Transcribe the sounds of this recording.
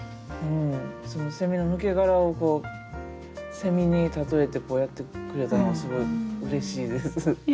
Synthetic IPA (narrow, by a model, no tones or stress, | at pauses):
ɯ̟̃ɴso̞no̞se̞mʲino̞mɯ̟ke̞ɡaɾao̞ko̞ː | se̞mʲiɲ̟it̪at̪o̞e̞t̪e̞ko̞ːjat̪ːe̞kɯɾe̞t̪anoɡasɨɡo̞iɯ̟ɾe̞ɕiːd̪e̞sɨ